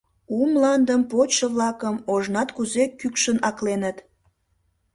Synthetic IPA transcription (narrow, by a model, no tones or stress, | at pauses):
umlɑnd̪əmpoʃəβlɑkəmoʒnɑt̪kuzekykʃənɑklenət̪